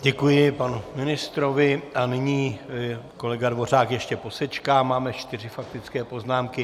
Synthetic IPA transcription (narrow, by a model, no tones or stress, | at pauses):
ɟɛkujɪpanumɪnɪst̪ɾo̞vɪʔanɪɲiː | ko̞lɛɡadvo̞r̝aːkjɛʃcɛpo̞sɛt͡ʃkaːmaːmɛt͡ʃt̪ɪrɪfak̚t̪ɪt͡skɛːpo̞znaːmkɪ